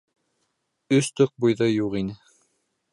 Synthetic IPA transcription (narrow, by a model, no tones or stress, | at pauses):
ɵst̪ɵq̚bujðɤjuʁinɘ